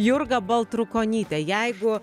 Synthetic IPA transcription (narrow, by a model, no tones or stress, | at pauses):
jʊrɡɐbɐlˠt̪ɾʊkoːnʲiːt̪ʲɛjɛɪɡʊ